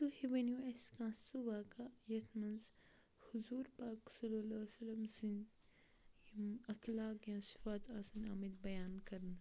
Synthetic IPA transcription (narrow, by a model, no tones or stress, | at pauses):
t̪uhiʋɐnjueskãːsuʋaːkajɐt̪ʰmɐ̃nz | huzuːɾpaːksɐlːɐlɐːsɐlɐmsin | mɐklaːkjãːsɪ̥faːt̪aːsɐnaːmid̪bɐjaːnkɐɾna